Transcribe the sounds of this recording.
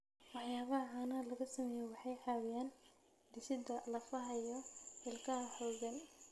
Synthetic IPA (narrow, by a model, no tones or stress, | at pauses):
wɑħjaːβɐɦɐɐnɐlɐɣɐsɐmɛːjɔwɑħɑjħɑːwɪjaːn | d̪ɪsɪd̪ɐlɐfɐɦɐjɔħɪlkʰɐɐħɔwɡɐn